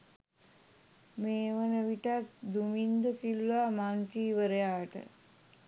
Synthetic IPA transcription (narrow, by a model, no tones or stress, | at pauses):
meːʋənəʋiʈat̪d̪umind̪əsilʋamaːntiːʋəɾəjaːʈə̰